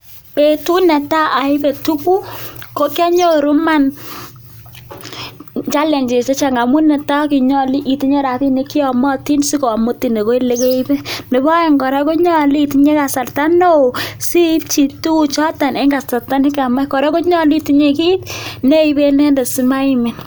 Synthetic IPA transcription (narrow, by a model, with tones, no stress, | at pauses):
pe˨tu˦nɛ˨ta˦ʔa˨ɪ˦be˨tu˦ku˦ko˦kja˦ɲo˦ɾu˦ma˦n | t͡ʃa˦lɛ˨ɲd͡ʒe˨se˦t͡ʃa˨ŋa˨mu˦nɛ˨ta˦ki˨ɲɔ˨li˦ʔi˨ti˦ɲe˦ɾa˨ti˦ne˨ki˦ɔ˨mɔ˦ti˦nsi˦ko˨mo˦ti˨ne˨ko˦i˦le˦ke˦i˦bɛ˦ne˨bɔ˦jɛ˨ŋɡɔ˨ɾɛ˦ko˦ɲɔ˦liː˦˨tiɲe˦ka˨sa˨rta˦no˦˨si˦p̚t͡ʃi˨tu˦˨t͡ʃɔ˦ta˨ne˦ŋɡa˨sa˨rta˦ni˦ka˨ma˦kɔ˨ɾɛ˦ko˦ɲɔ˦li˦ti˦ɲe˨ki˦tne˦i˨be˦ne˦nde˨si˦ma˦i˦mɛ˨n